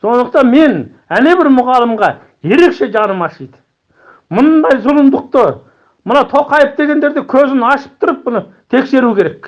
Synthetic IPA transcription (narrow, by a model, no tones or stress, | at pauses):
so̞nd̪əq̚t̪ɑnme̞n | æne̞bɪɾmʊʁɑlˠəmʁɑ | je̞ɾe̞kʃe̞ʒɑnəmɑʃəjd̪ə̥ | mʊnd̪ɑjzʊlˠənd̪əq̚t̪ə | mənɑt̪ʰo̞qɑjəp̚d̪e̞ɡʲe̞nd̪e̞ɾd̪ekʲʰɵzɪnɑʃə̥p̚t̪ʰʊɾəp̚mʊnə | t̪ʰe̞kse̞ɾukʲʰe̞ɾe̞k